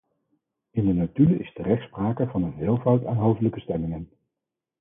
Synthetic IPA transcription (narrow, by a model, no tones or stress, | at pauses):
ɪndənatyɪ̰stərɛχtspraːkəvɑnənɦɪːlˠvʌwtaːnɦowfdələkəstɛmɪŋən